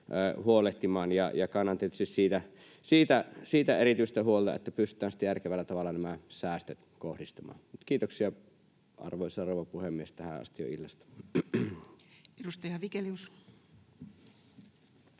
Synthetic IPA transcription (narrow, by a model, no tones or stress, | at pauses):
ʔəːhuoleht̪imɑːnjɑ̰jɑkɑnːɑnt̪iet̪yst̪issiːt̪æ | siːt̪æsiːt̪æeɾit̪yˑst̪æhuolt̪ɑ̰ḛt̪ːæpyst̪ːˑæːnsi̥t̪æjærkeʋælːæt̪ɑʋɑlːˑɑnæmæsæˑːst̪øt̪kohdist̪ɑmɑ̰ːnmut̪kiːt̪oksiɑ | ʔɑ̰rʋoˑisɑroˑuʋɑpuhemːiest̪æhæ̰ɑ̰st̪ijo̰ḭlːɑst̪ɑ̥ | edust̪ɑjɑʋikelius